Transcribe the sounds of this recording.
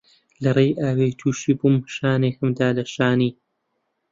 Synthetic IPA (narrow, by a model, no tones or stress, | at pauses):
lɐrejʔaːwejt̪ʰuːʃiːbumʃaːnekɨmd̪aːlɐʃaːniː